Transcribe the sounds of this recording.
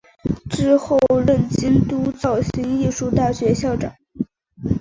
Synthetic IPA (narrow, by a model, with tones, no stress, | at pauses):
ʈ͡ʂɻ̩˥˧xo˥˧ʊɻə˥˩nt͡ɕi˥nt̪u˥t͡sɑ˥˩ʊɕi˧˥ŋi˥˧ʂu˥˧t̪a˥˩ɕɥɛ˧˥ɕjɑ˥˩ʊʈ͡ʂɑ̰˨˩˦ŋ